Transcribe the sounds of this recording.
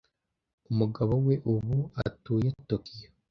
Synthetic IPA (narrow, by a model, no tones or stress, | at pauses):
umuɡaβowe̞ʔuβuatuːjetokijo